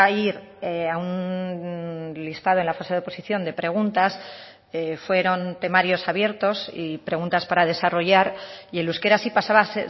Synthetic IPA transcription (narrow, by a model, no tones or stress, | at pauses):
iɾ | aun | list̪að̞oe̞nlafaseðeo̞po̞siθjo̞nd̪e̞pɾe̞ɣ̞unt̪as | fwe̞ɾo̞nt̪e̞maɾjo̞saβje̞ɾt̪o̞sipɾe̞ɣ̞ũnt̪aspaɾað̞e̞saro̞ʝaɾie̞luske̞ɾasipasaβase